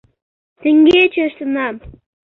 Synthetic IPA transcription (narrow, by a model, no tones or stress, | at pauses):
t̪ə̆ŋɡʲet͡ɕeʃt̪ənɑm